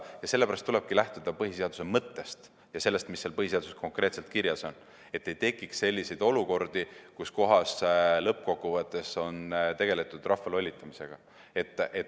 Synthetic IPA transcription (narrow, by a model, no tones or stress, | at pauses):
jɑse̞lːeæɾɑst̪ːule̞b̥̚kilæht̪ud̪̥ɑpɤɦiseɑd̪̥use̞mɤt̪ːe̞st̪ | jɑse̞lːe̞st̪misːelpɤhiseɑd̪̥useko̞ŋkre̞ːt̪se̞lt̪kiɾjɑso̞n | e̞t̪ːe̞jt̪e̞kːˑiksse̞lʲːise̞jd̪o̞luko̞rd̪̥ikusko̞ɦɑslɤp̚ːko̞kːuvɤt̪ːˑe̞so̞nt̪e̞ɡ̥e̞le̞t̪ːˑud̪̥rɑfːɑlo̞lʲːit̪ˑːɑmise̞ɡ̥ɑ | e̞t̪ːˑe